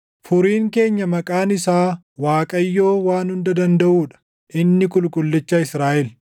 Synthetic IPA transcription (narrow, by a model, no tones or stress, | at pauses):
fʊɾiːŋke̞ːɲːɐmɐkʼaːnɪsaː | waːkʼɐjːo̞ːwaːnhʊnd̪ɐd̪ɐnd̪ɐʔuːᶑɐ̥ | ʔɪnːɪkʊlkʼʊlːɛt͡ʃːɐɪsɾaːʔɛl